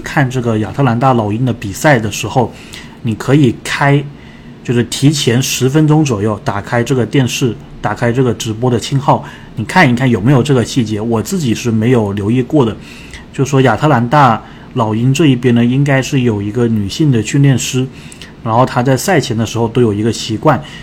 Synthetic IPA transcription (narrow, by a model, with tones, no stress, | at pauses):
kʰa˥˧nʈ͡ʂɤ˥˩ɡə˩ja̰˨˩t̪ʰɤ˥˩la˧˥nt̪a˥˩lɑ˨˩ʊi˥nd̪ə˨pi˨˩sa˥˩ɪd̪ə˩ʂɻ̩˧˥xo˥˩ʊ | ni˨˩kʰɤ˧˥i˨˩kʰa˥ɪ | t͡ɕjo˥˧ʊʂɻ̩˥˩t̪ʰi˧˥t͡ɕʰjɛ˧˥nʂɻ̩˧˥fə˥nʈ͡ʂʊ˥ŋt͡swɔ˨˩jo˥˩ʊt̪a˨˩kʰa˥ɪʈ͡ʂɤ˥˩ɡə˩t̪jɛ˥˧nʂɻ̩˥˩ | t̪a˨˩kʰa˥ɪʈ͡ʂɤ˥˩ɡə˩ʈ͡ʂɻ̩˧˥p̬wɔ˥d̪ə˨t͡ɕʰi˥nxɑ˥˩ʊ | ni˨˩kʰa˥˩ni˧˥kʰa˥˩njo˨˩ʊme˧˥ɪjo˨˩ʊʈ͡ʂɤ˥˩ɡə˩ɕi˥˩t͡ɕjɛ˧˥wɔ˨˩t͡sɹ̩˥˩t͡ɕi˨˩ʂɻ̩˥˩me˧˥ɪjo˨˩ʊljo˧˥ʊi˥˧kwɔ˥˩d̪ə˩ | t͡ɕjo˥˧ʊʂ̩˥˩ʂwɔ˥˧ja˨˩t̪ʰa˥˩la˧˥nt̪a˥˩ | lɑ˨˩ʊi˥nʈ͡ʂɤ˥˧i˥˩pjɛ˥nnə˨i˥ŋka˥ɪʂɻ̩˥˩jo˨˩ʊi˧˥ɡə˧ny˨˩ɕi˥˩ŋd̪ə˩ɕy˥˧nljɛ˥˩nʂɻ̩˥ | ɻa˧˥nxo˥˩ʊt̪ʰa˥t͡sa˥˧ɪsa˥˩ɪt͡ɕʰjɛ˧˥nd̪ə˧ʂɻ̩˧˥xo˧ʊt̪o˥ʊjo˨˩i˧˥ɡə˧ɕi˧˥kwa˥˩n